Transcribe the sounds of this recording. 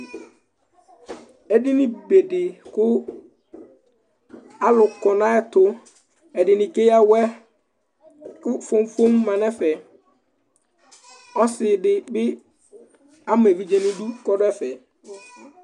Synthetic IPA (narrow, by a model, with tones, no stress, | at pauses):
ɛ˦dɪ˦nɪ̃˦be˨de˨kʊ˦ | a˦lʊ˨kɔ˨nã˦ɛ˦tʊ˦ | ɛ˨dɪ˨nɪ̃˨ke˦ja˦wɛ˦ | kʊ˦fo˦m˦fo˦mː˦ã˨nɛ˦fɛ˨ | ɔ˦sɪ˨dɪ˨bɪ˦ | a˦mʊ̃˨ɛ˨vi˦d͡ʒɛ˦nɪ̃˦du˦kɔ˦dʊ˦ɛ˦fɛ˨